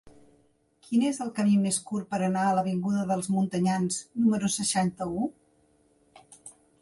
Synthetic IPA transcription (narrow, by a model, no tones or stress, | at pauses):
kʰinezəlˠkəmimeskurpəɾənaələβ̞iŋɡuðəðəlˠzmunt̪əɲanznuməɾusəʃant̪əu